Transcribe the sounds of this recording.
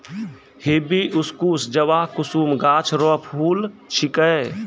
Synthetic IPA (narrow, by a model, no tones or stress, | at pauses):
hebiʔuskusd͡ʒəwaɦkʊsuːmɡaːt͡ʃʰɾɔpʰuːlt͡ʃʰikə